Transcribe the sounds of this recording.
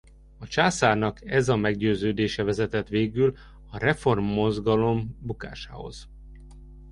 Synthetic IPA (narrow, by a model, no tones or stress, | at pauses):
ɒt͡ʃaːsaːrnɒkɛzɒmɛɡɟøːzøːd̪eːʃɛvɛzɛt̪ɛt̪ʋeːɡyl | ɒrɛfo̞rmːo̞zɡɒlo̞mbuka̰ːʃa̰ːho̞̰z̥